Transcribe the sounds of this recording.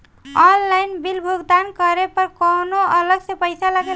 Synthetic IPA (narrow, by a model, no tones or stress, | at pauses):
ɔnlajnbilbʱuɡd̪ankəɾepəɾkonoələɡsẽpəjsalaɡe